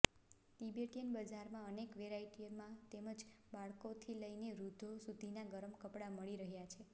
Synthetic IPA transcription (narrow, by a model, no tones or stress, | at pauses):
ʈibeʈiənbəd͡ʒaɾmãənekʋeɾaiʈimãt̪eməd͡ʒbaɭkot̪ʰiləjneɾud̪ʱosud̪ʱinaɡəɾəmkəpɽaməɭiɾəɦjat͡ʃʰe